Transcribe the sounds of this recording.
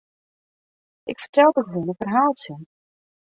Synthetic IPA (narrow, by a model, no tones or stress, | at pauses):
ʔɪkfə̥rtɛlˠdɔkɦunəfərɦaːlˠtsɪn